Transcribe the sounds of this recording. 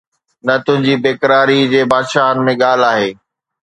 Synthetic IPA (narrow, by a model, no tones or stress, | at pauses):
nɐt̪ʊ̃ɦɪ̃ɲd͡ʑiːbeːkəɾaːɾid͡ʑeːbaːd̪ʃaːɦənɪ̆mẽɠaːl̤aːɦeː